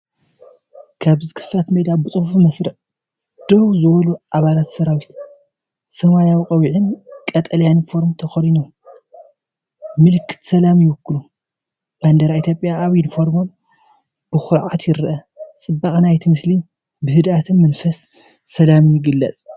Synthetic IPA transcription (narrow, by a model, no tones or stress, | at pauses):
kʰaβzɨkʰɨ̥fat̪med̪abɨt͡sʼɨfufmɐsɾɨʕ | d̪̥owzɨβɐluʔaβalat̪sɐɾawit̪ | sɐmajawikʼɐwiʕɨnkʼɐt̪ʼɐljanfo̞ɾmt̪ʰɐxɐlino | mɨlɨkʰɨ̥t̪sɐlamjɪwʊkːɨlu | b̥and̪ɐɾait̪ʰjo̞pʼjaːβjinfo̞ɾmom | b̥ɨxʊɾʕat̪jɪɾʔɐt͡sʼɨbːaxʼnajt̪ʰimɨsli | bɨhɨd̪at̪ʰɨnmɐnfɐsː | ɐlamjɪɡɨlːɐt͡sʼ